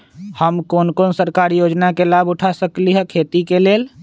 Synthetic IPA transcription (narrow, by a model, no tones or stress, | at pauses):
həmkoːnkoːnsəɾkaːɾijoːd͡ʒnakelaːbʊʈʰasəkliɦɛkʰeːt̪ikeleːl